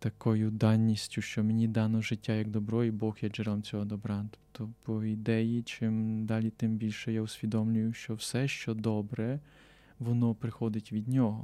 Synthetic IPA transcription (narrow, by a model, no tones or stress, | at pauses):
t̪ɐkɔjʊd̪ɑnʲːisʲtʲʊʃt͡ʃɔmenʲid̪ɑnɔʒɪtʲːajɐɡd̪ɔbɾɔjibɔxjɛd͡ʒɪɾɔmt͡sʲɔɦɔd̪ɔbɾɑt̪ɔ̥pt̪ɔpʰɔid̪ɛjit͡ʃɪmd̪ɑlʲit̪ɪmbʲilʲʃɛjaʊsʲʋʲid̪ɔmlʲʊjʊʃt͡ʃɔwsɛʃt͡ʃɔd̪ɔbɾɛ | ʋɔnɔpɾɪxɔd̪ɪtʲʋʲid̪ʲnʲɔɦɔ